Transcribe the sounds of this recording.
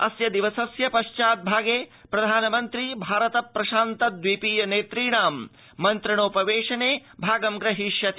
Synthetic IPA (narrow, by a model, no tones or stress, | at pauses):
ɐ̰sjɐd̪iʋɐsɐsjɐpɐʃt͡ʃaːt̪̚bʱaːɡeːpɾɐd̪ʱaːnɐmɐnt̪ɾibʱaːɾɐt̪ɐpːɾɐʃaːnt̪ɐd̪ʋipiːjɐneːt̪ɾiːɳaːmː | ɐnt̪ɾiɳoːpɐʋeːʂɐneːbʱaːɡɐmɡɾɐɦiʃjɐt̪ʰ